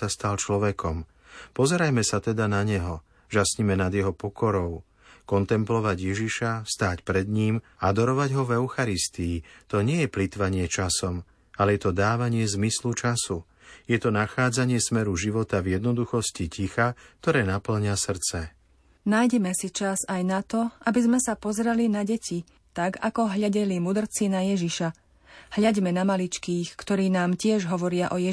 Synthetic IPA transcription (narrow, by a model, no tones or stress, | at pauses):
ast̪alt͡ʃlɔʋɛkʰɔm | pɔzɛɾajmɛsat̪ɛd̪anaɲɛɦɔ | ʒasɲimɛnad̪jɛɦɔpɔkɔɾɔʊ | kɔnt̪ɛmplɔʋaɟjɛʒiʃast̪aːcpɾɛd̪ɲiːmad̪ɔɾɔʋaɟɦɔvɛʊxaɾist̪iːt̪ɔɲɪɛjɛplit̪ʋaɲɪɛt͡ʃasɔm | alɛjɛt̪ɔd̪aːʋaɲɪɛzmislut͡ʃasu | jɛt̪ɔnaxaːd͡zaɲɪɛsmɛɾuʒiʋɔt̪avjɛd̪nɔd̪uxɔscicixak̚t̪ɔɾɛːnapl̩ɲasr̩t͡sɛ | najɟɛmɛsit͡ʃazajnat̪ɔʔabizmɛsapɔzɛɾɛlinaɟɛcʰi | t̪aɡa̰kɔɦʎaɟɛlimud̪r̩t͡sinajɛʒiʃa | hʎaɟmɛnamalit͡ʃkiːxkt̪ɔɾiːnaːmcɪɛʒɦɔʋɔɾɪaʔɔjɛ